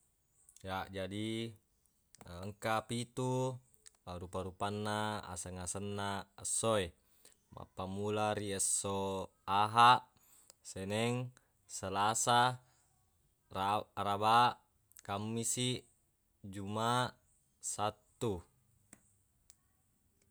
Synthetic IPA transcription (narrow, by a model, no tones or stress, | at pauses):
jaʔd͡ʒadi | əŋkapit̪u | aɾupaɾupanːaa̰səŋasanːaəsːoe | ma̰pːamulaɾiəsːo | aɦaʔ | senɛŋ | səlasa | aɾabaʔ | kamːisiʔ | d͡ʒumaʔ | sat̪ːu